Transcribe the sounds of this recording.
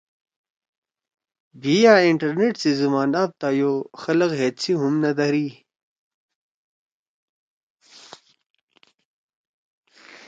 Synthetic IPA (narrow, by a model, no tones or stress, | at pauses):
bijaiɳʈɐɾneʈsizɐmaːnap̚t̪ajoxɐlɐɣɦet̪t͡sʰiɦumnɐd̪ɐɾi